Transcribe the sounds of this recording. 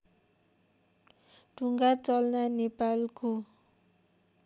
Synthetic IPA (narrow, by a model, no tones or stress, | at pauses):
ɖ̥uŋɡat͡sɔlnanepalkʰu